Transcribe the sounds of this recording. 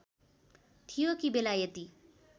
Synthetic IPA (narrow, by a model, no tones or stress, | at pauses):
t̪ʰijokibelajet̪i